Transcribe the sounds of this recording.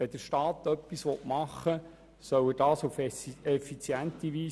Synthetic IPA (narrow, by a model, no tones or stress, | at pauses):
ɛd̪̥əɾʃtɑːt̪œpːisʋɔtmɑχːə | sœwəd̥ɑːsufɛfit͡sjænt̪iʋiː